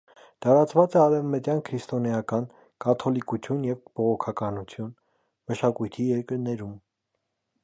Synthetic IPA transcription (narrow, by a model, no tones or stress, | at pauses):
t̪ɑɾɑt͡svɑt͡sɛɑɾɛvmət̪jɑnkʰɾist̪ɔnɛjɑkɑn | kɑt̪ʰɔlikut͡sʰjunjɛvb̥ɔʁɔkʰɑkɑnut͡sʰjun | məʃɑkujt̪ʰijɛɾkəɾnɛɾum